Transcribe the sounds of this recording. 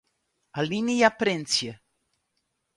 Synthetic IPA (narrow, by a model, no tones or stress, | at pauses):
alinijapɾent̪sije